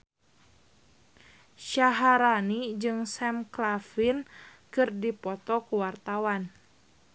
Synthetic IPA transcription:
ʃaɦaɾanid͡ʒɨŋsɛmklafin | kɨrdipɔt̪ɔkuwart̪awan

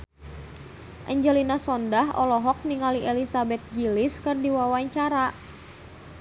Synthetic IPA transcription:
ʔaɲd͡ʒɛlinasɔndaɦɔlɔɦɔk̚niŋaliʔɛlisabɛt̪̚ɡiliskɨrdiwawaɲt͡ʃaɾa

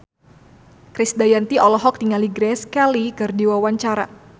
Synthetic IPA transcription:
kɾisdajant̪iɔlɔɦɔk̚t̪iŋaliɡɾɛskɛlikɨrdiwawaɲt͡ʃaɾa

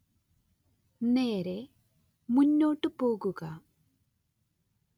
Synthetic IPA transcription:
neːɾe | muɲːoːʈupoːɡuɡa

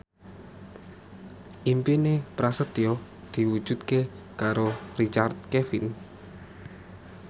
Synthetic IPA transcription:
ʔimpinepɾasət̪iɔ | d̪̥i̤wud̥ʒ̥ṳt̪kekaɾorit͡ʃart̪̚kefin

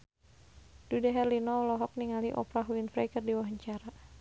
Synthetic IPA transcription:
d̥udaɦɛrlinɔlɔɦɔk̚niŋaliʔɔ̰pɾaɦuinfɾɛkɨrdiwaɦəɲt͡ʃaɾa

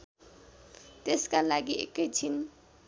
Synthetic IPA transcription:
t̪eskalaɡiḛkːet͡sʰin

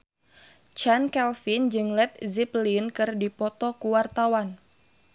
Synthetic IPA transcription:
t͡ʃankɛlfind͡ʒɨŋlɛt̪̚ziplinkɨrdipɔt̪ɔkuwart̪awan

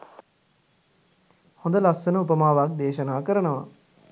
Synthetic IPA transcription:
hõnd̪əlasːənəupəmaːʋak̚d̪eːʃənaːkəɾənəʋa̰

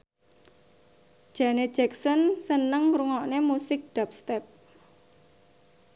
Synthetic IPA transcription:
ʒ̥ä̤ne̥d͡ʒ̥ɛksɔnsənəŋɾuŋɔʔnemusɪk̚ɖ̥ap̚st̪ɛp̚

